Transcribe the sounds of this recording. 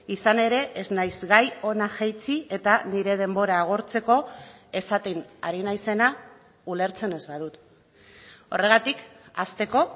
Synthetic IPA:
isane̞ɾe̞ʔeznajzɡajo̞naxejt͡sie̞t̪aniɾe̞ð̞e̞mbo̞ɾaːɣ̞o̞ɾt͡se̞ko̞ | e̞sat̪inaɾinajse̞na | ule̞ɾt͡se̞ne̞zβað̞ut̪ | o̞̰re̞ɣ̞at̪ikast̪e̞ko̞

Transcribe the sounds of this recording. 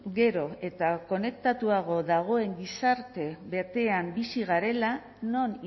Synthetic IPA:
ɡe̞ɾo̞e̞t̪ako̞ne̞k̚t̪at̪uaɣ̞o̞ðaɣ̞o̞e̞ŋɡisaɾt̪e̞βe̞t̪e̞ambisiɣaɾe̞la | no̞n

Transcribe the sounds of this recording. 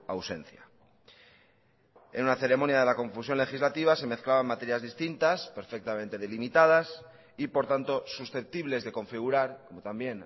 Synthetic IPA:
awse̞̰n̟θja | ḛnunaθe̞ɾe̞monjað̞e̞lako̞ɱfusjo̞nle̞xizlat̪iβ̞ase̞me̞θklaβamːat̪e̞ɾjazðist̪int̪aspe̞ɾfe̞k̚t̪amẽ̞nt̪e̞ðelimit̪að̞as | ipo̞ɾt̪ant̪o̞susθe̞p̚t̪iβle̞zðe̞ko̞ɱfiɣ̞uɾaɾko̞mot̪ambje̞n

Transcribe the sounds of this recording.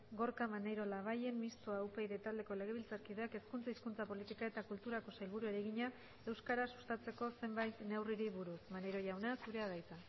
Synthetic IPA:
ɡo̞ɾkamaneɾo̞laβ̞aje̞nmist̪uaupe̞jɾet̪ald̪e̞ko̞le̞ɣ̞e̞β̞ilt͡saɾkið̞e̞ake̞skunt͡saiskunt͡sapo̞lit̪ikae̞t̪akult̪uɾako̞sajlβuɾueɾeɣiɲa | e̞wskaɾasu̥st̪at͡se̞ko̞se̞mbajt̪ne̞wriɾiβuɾusmanejɾo̞ʝawnasuɾe̞að̞ajt͡s̪a

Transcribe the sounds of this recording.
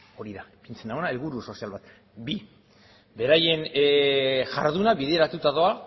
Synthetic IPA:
o̞ɾiðapint͡senaonaelβuɾuso̞sialβat̪ | bi | be̞ɾaje̞n | ʝaɾðunaβiðe̞ɾat̪ut̪aðo̞a

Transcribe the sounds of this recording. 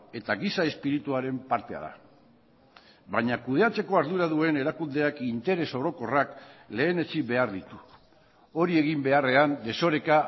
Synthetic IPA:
e̞t̪aɣisae̞spiɾit̪uaɾe̞mpaɾt̪e̞a̰ða̰ | βaɲakuð̞e̞at͡se̞ko̞aɾðuɾaðue̞ne̞ɾakund̪e̞akint̪e̞ɾe̞so̞ɾo̞ko̞rakle̞ːne̞t͡sibe̞aɾðit̪u | o̞ɾie̞ɣ̞imbe̞are̞and̪e̞so̞ɾe̞ka

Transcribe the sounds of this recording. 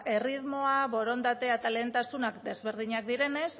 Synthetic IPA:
e̞riðmo̞aβo̞ɾo̞nd̪at̪e̞at̪ale̞ːnt̪asunakd̪e̞zβe̞ɾð̞iɲak̚d̪iɾe̞ne̞s

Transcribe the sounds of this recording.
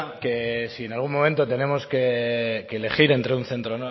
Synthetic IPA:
ke̞sie̞nalɣ̞unmõ̞ment̪ot̪e̞ne̞mo̞ske̞ke̞ːle̞χiɾe̞nt̪ɾeunθe̞nt̪ɾon

